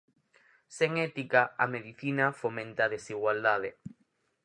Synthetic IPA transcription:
seŋɛt̪ikaameðiθinafomẽnt̪aðesiɣwald̪aðe

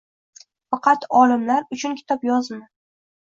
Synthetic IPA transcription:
fɑqʰɑt̪ɒlɪmlaɾʊt͡ʃʰʊnkʲʰɪ̥t̪ʰɒpjɒzmɪ

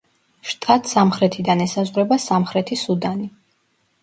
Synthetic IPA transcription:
ʃt̪ʼat̪ʼsamχɾɛt̪ʰid̪anɛsazʁɾɛbasamχɾɛt̪ʰisud̪ani

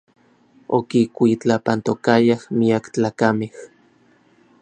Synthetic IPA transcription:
o̰kikʷit͡ɬapant̪okajahmiakt͡ɬaːkameh

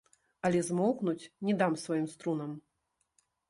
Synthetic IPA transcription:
ɐlʲɛzmɔwknut͡sʲnʲɛd̪amsvajimst̪ɾunɐm

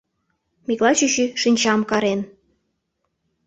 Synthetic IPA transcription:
miklˠɑt͡ɕyɕyʃinʲt͡ɕɑmkɑɾen

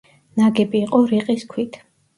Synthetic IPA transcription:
naɡɛbiːqʼɔɾiqʼiskʰwit̪ʰ

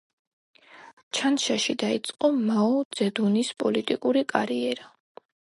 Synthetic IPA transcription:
t͡ʃʰanʃaʃid̪ait̪sʼqʼɔmaɔd̪z̥ɛd̪unispʼɔlit̪ʼikʼuɾikʼaɾiɛɾa

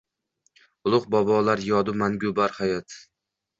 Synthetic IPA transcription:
ʊlˠʊqbɒbɒlaɾjɒd̪ʊmanɡʲʊbaɾhajɒt̪

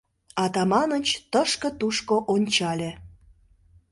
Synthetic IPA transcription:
ɑt̪ɑmɑnət͡ɕt̪əʃkə̆t̪uʃkoʔonʲt͡ɕɑlʲe

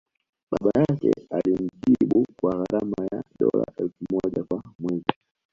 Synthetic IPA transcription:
ɓaɓajakɛ̰alim̩ʄiɓukwaɣaɾamajaɗɔla̰ʔɛlfumɔʄakwamwɛzi

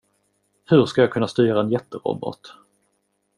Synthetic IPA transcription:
hɵɾskajaːkʰɵnːast̪yːɾaɛnjɛt̪ːəɾɔ̰bɔ̰t̪

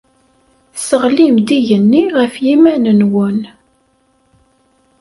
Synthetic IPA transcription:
səʁlimd̪iʝənːiʁəfjimænənwən

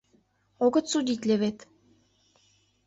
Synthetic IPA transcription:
oɡɤ̆t̪sud̪it̪ʲlʲeβet̪

